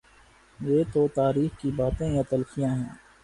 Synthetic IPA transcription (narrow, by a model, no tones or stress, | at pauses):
jeːt̪ot̪aːɾiːxkibaːt̪ẽjat̪ɐlkijãɦɛ̰̃ː